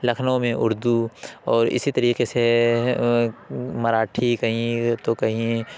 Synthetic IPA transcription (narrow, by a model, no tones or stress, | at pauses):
lɐkʰnõmẽʔʊɾd̪uɔːɾɪ̰sit̪ɐɾiːqese | mɐɾaːʈʰikɐɦĩt̪okɐɦĩ